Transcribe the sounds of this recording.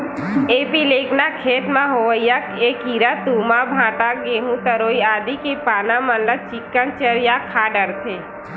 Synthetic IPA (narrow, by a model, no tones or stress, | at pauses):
eːpileːkʰnakʰeːt̪mãɦoəjakeːkiɾət̪umabʱãːʈaɡeːɦũt̪əɾoːiaːd̪ikipaːnamənlət͡ʃɪkːənt͡ʃəɾjakʰaːɖəɾt̪ʰeː